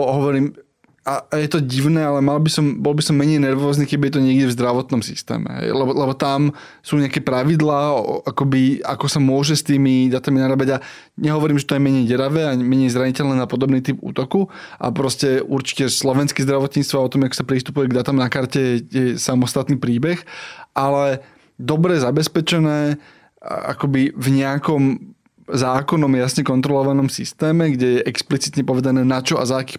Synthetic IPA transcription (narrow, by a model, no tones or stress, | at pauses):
ɦɔʋɔɾiːm | ajɛt̪ɔɟiʊnɛːalɛmalbisɔmbɔlɔbisɔmːɛɲɛjnɛɾʋɔːzniːkɛbijɛt̪ɔɲɪɛɡdɟɛvzd̪ɾaʋɔt̪nɔmsḭst̪ɛ̰ːmɛ̰ɦɛ̰jlɛbɔlɛbɔt̪am | suːɲɛakɛpɾaʋid̪laːakɔbia̰kɔsamʊɔʒɛst̪iːmid̪at̪aminaɾabaɟa | ɲɛɦɔʋɔɾiːmʒɛt̪ɔjɛmɛɲɛjɟɛɾaʋɛːamɛɲɛɪzɾaɲicɛlnɛːnapɔd̪ɔbniːt̪ipṵːt̪ɔkuʔa̰pɾɔscɛʔṵɾt͡ʃi̥cɛslɔʋɛnskɛzd̪ɾaʋɔt̪ɲist̪ʋaɔt̪ɔmakɔ̥sapɾist̪upujɛɡd̪at̪amnakaɾcɛjɛsamɔst̪at̪niːpɾiːbɛxʔalɛ | d̪ɔbɾɛzabɛspɛt͡ʃɛnɛː | a̰kɔbivɲɛakɔm | zaːkɔnɔmjasɲɛkɔnt̪ɾɔlɔʋanɔmsist̪ɛːmɛɡɟɛjɛʔɛksplit͡sit̪ɲɛpɔʋɛd̪anɛːnat͡ʃɔʔa̰zaːkiː